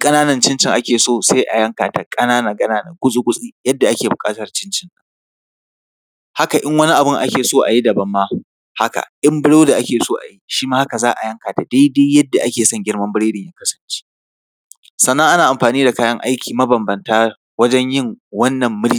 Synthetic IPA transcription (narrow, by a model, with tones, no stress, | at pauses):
kʼɐ˦naː˦nɐ˨nt͡ʃɪ˦nt͡ʃɪ˨ŋʔa˦kʲeː˨soː˦˨se˦jʔa̰˨jɐ˦ŋkaː˨ta˨kʼɐ˦naː˦na˨kʼɐ˦naː˦nɐ̰˨kʷʊ˦sʼu˦kʷʊ˦sʼi˦jɐ˦dːa˨ʔa˦kʲeː˨bʊ˨kʼaː˦tɐ˨rt͡ʃɪ˦nt͡ʃɪ˨na˨ | ha˦ka˨ʔɪ˦ŋwɐ˦ni˦ʔa˨bʊ˦ŋʔa̰˦kʲeː˨soː˦˨ʔa̰˨ji˦dɐ˨bɐ˦mːaː˦ | ha˦ka̰˨ʔɪ˦mbɪ˦ɽoː˦da˨ʔa˦kʲeː˨soː˦ʔa̰˨ji˦ʃiː˦maː˦ha˦ka˨zaː˦ʔa˨jɐ˦ŋkaː˨ta˨da˦jde˦jjɐ˦dːa˨ʔa˦kʲeː˨sɐ˦ŋɡʲɪ˦rmɐ˦mbɪ˦ɽeː˦dɪ˨jɪ˦ŋkɐ˦sɐ̥˨nt͡ʃi̥ː˦ | sɐ˨nːɐ˦ŋʔa˦naː˨ʔa˨mɸaː˨niː˦da˨kaː˦jɐ˦ŋʔa̰˦jkʲiː˨mɐ˦bɐ˨mbɐ˨ntaː˦ | wɐ˦d͡ʒɛ˦ɲjɪ˦ŋwɐ˦nːɐ˨mːʊ˦ɽi˦